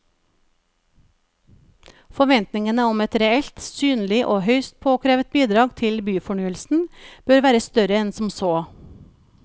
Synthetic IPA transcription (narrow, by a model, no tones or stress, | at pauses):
fɔʋɛnt̪nɪŋənəɔmɛt̪ɾɛɛlt̪syːnlɪʔoːhœʏst̪̚pʰoːkʰɾeːʋət̪̚biːd̪ɾɑːɡt̪ʰɪlbyːfɔɳyːəlsn̩b̥øɾʋæːɾəst̪œɾəɛnsm̩soː